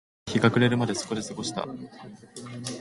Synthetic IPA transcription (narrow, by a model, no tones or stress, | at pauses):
çiɡakɯ̟ɾe̞ɾɯ̟mad̪e̞sɨ̥ko̞d̪e̞sɨɡo̞ɕi̥t̪a̰